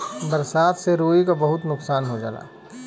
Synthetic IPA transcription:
bɐɾsaːt̪seɾoːikabɐɦʊt̪nʊksaːnɦod͡ʒa̰ːla̰ː

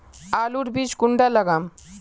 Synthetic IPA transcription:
aːluɾbid͡ʒkuɳɖaləɡam

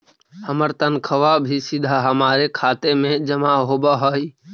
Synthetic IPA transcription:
həməɾt̪ənkʰəʋabʱisɪd̪ʱaɦəmaːɾekʰaːt̪emẽd͡ʒəmaɦoːbaɦoi

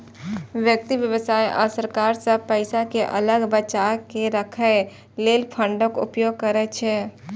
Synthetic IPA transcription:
ʋjək̚t̪iʋjəʋəsaːiʔɔ̰ːɾsəɾkaːɾsəpɛɪsakeʔɐləɡbət͡ʃakeɾəkʰə | leːlpʰə̃ɳɖə̃kʊ̰pjoːɡ̚kəɾɛt͡ʃʰeː

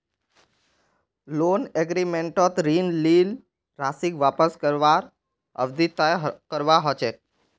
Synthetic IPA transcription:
loneɡɾimeɳʈɔt̪ɾinlil | ɾasikʋapəskəɾʋaɾ | ə̰ʋd̪it̪ajkəɾʋaɦət͡ʃʰe

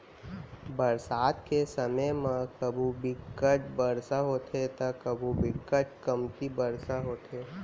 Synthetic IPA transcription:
bəɾsaːt̪kesəməjmãkəbʱubɪkːət͡ʃbəɾsaɦoːt̪ʰet̪əkəbʱũbʱɪkːət͡ʃkəmt̪ibəɾsaɦoːt̪ʰeː

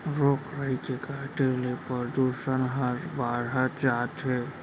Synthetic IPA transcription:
ɾoːkɾəɦikekaʈelepəɾd̪usənɦəɾbaɾɦəd͡ʒaːt̪ɦe

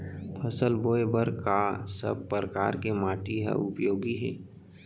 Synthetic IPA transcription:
pʰəsəlboːebəɾkasə̰b̚pːɾəka̰ːɾkemaːʈiɦa̰ʊpjoːɡiɦɛː

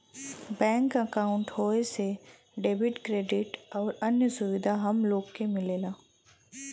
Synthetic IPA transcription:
bɛ̃ːŋkəkaːʊ̃ɳʈhoːese | ɖeːbɪʈkɾeːɖɪʈɔːɾɐnjəsʊʋɪd̪ʱaɦɐmloːɡkemɪleːlaː

